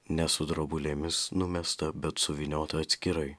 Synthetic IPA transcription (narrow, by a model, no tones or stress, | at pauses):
nʲɛsʊd̪ɾɐbʊlʲemʲɪsnʊmʲɛst̪ɐbʲɛt̪sʊʋʲɪnʲoːt̪ɐɐt̪ʲsʲkʲɪɾɐɪ